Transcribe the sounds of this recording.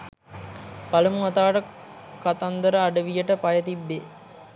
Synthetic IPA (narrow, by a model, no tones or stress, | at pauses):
palumuɦɐt̪aːʈə | kat̪and̪əɾəaɖəʋijəʈəpajət̪ibːe